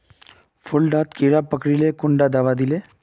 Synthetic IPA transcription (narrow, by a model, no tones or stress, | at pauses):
fʰʊlɖaːt̪kiːɽapəkɽilekʊɳɖad̪aʋad̪ɪleː